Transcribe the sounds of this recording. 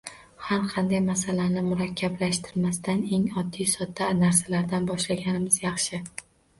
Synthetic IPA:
haɾqʰɑnd̪ajmasalanɪmʊɾakʲʰːablaʃt̪ʰɪɾmast̪ane̞ŋɒd̪ːijsɒd̪ːanaɾsalaɾd̪anbɒʃlaɡʲanɪmɪzjɑχʃɪ

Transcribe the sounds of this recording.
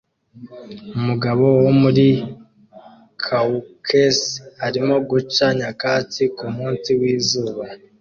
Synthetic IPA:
umuɡaβo̞womuɾi | kʰaukʰeshaɾimo̞ɡut͡ʃaɲakaːt͡sikumuːnsiwiːzuːβa

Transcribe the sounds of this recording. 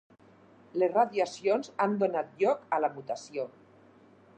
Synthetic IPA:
lesraðjasionzand̪onat̪̚ʎɔkalamut̪asio

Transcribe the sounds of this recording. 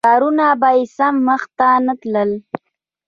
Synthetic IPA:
ɑɾunabajɪsamːəxt̪anət̪ləl

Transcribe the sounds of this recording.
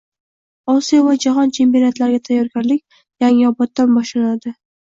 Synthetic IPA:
ɒsijovad͡ʒaɦɒnt͡ʃʰe̞mpijonat̪laɾɡʲat̪ʰajːɒɾɡʲaɾlɪkʲ | jaŋɪɒbɒt̪ːanbɒʃlanad̪ɪ

